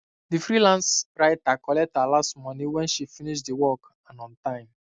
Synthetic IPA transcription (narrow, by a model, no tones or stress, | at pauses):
difɾilãnsɹaɪtakɔlɛk̚thalastmɔniwɛ̃nʃifiniʃdiwɔk | ãnɔ̃ntãɪ̃m